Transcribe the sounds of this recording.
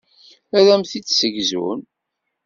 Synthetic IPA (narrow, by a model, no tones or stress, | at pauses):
æðæmθit͡sːsəʝzṵn